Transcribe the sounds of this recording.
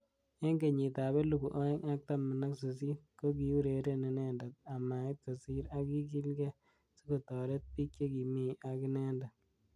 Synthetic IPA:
e˦ŋɡe˨ɲi˨ta˨bɛ˦lu˨ku˨ʔo˦ɛ˦ŋa˦k̚ta˦mu˨na˦ksu˨s̬i˦ko˦ki˨u˦ɾe˨ɾe˦ne˨nɛ˦nda˨t̪̚a˨ma˨ɪ˦o˨si˦ɾa˦ki˦ki˦lɡɛ˦ | si˦ko˨tɔ˨ɾe˦t̚pi˦kt͡ʃe˦ki˨mi˦a˨ki˦nɛ˦nda˨

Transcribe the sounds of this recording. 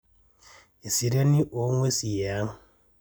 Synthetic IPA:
e˨si˨ɾe˦ni˦ʔo˨˦ŋwe˦si˨ja˨˦m

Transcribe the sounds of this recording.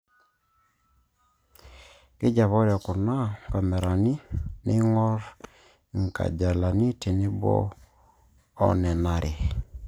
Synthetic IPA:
kɪ˦d͡ʒa˨βɔ˦ɾɛ˨kʊ˨na˦˨ka˨mɛ˨ɾa˨ni˦nɪ˦ŋɔ˦ɾ | ŋ˨ka̰˨d͡ʒa˨la˨ni˦te˨nɪ˦bɔ̰˦ | nɛ˨na˦ɾʔe˨

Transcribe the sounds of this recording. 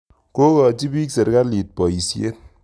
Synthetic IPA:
ko˦kɔ˨t͡ʃi˦bi˦kse˨ɾka˦li˨t̚pɔ˨i˨sje˦t̚

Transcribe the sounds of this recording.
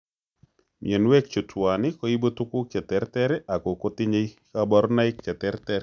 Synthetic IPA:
mj̰ɛ˨nwɛ˦k̚t͡ʃo˨twa˨nɪ˦ko˦i˦bo˦tu˦kʊ˦kɛ˨tɛ˨ɾtɛ˦ɾɛ˦ʔa˨ko˨ko˦tɪ˦ɲe˦kaba˦ɾna˦ɪ˦kːɛ˨t̪ɛ˦ɾtɛ˦ɾ

